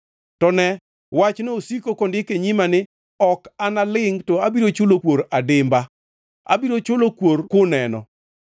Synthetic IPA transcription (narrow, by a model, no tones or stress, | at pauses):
tɔnɛ | wat͡ʃnoosikokondɪkeɲimanɪ | ɔkanalɪŋtɔabiɾot͡ʃʊlokwoɾadɪmba | a̰biɾot͡ʃʊlokwoɾkʊnɛnɔ̰